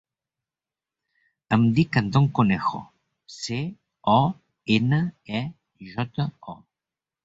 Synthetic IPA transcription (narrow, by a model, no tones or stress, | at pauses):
əmd̪ikənd̪oŋkonɛxo̰ | se | ɔ | enəɛ | ʒɔt̪əɔ